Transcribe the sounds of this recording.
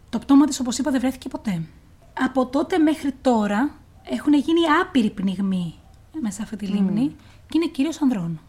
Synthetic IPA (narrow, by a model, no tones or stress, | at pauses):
t̪opt̪o̞mɐt̪iso̞po̞sipɐðevɾe̞θi̥ce̞po̞t̪e̞ | ɐpo̞t̪o̞t̪e̞me̞xɾit̪o̞ɾɐ | e̞xune̞ʝiniɐpiɾipniɣmi | mesɐft̪it̪ilimni | cine̞ciɾio̞sɐnðɾo̞n